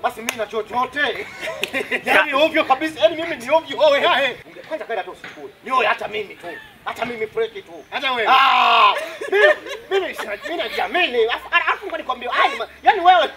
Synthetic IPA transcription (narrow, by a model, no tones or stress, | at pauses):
ɓasiminat͡ʃɔt͡ʃɔtɛ | amiɔvjɔkaɓisajanimiminiɔvjɔɔwɛhahɛuɡakwazakaɛatɔɔskuiniɔwɛhatamimitu | hatamimipuɾɛkituad͡ʒaɛa | mimimimisnaminad͡ʒaminiaafunɡanikuwambiwaaimajaniwɛwɛ